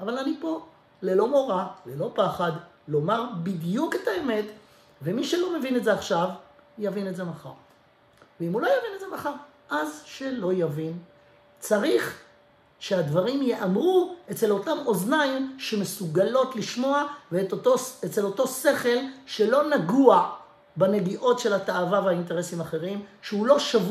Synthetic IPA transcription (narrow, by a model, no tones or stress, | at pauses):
avalanipo̞ | le̞lo̞mo̞ʁale̞lo̞paχad̪ | lo̞maʁbid̪juketae̞me̞t | vemiʃelo̞me̞vinetzeaχʃavjavine̞tze̞maχa̰ʁ | veimulojavinedzemaχaʁ | ʔazʃelo̞javin | t͡saʁiχ | ʃe̞ad̪vaʁimjeʔamʁuet͡se̞lo̞tamo̞znaimʃe̞mesuɡalo̞tliʃmo̞aveoet͡se̞lo̞to̞se̞χe̞lʃe̞lo̞naɡua | bene̞ɡiʔo̞tʃe̞lataavaveainte̞ʁesimaχe̞ʁimʃeulo̞ʃav